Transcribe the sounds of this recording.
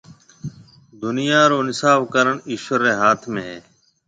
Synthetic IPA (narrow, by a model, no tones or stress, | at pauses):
d̪ʊnɪjaːɾoːnɪsaːbkəɾəɳɪʃʋəɾeːɦaːt̪ʰmẽːɦeː